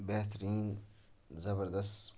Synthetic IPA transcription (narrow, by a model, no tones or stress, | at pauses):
beɦt̪ɾiːn | zɐbəɾd̪ɐst̪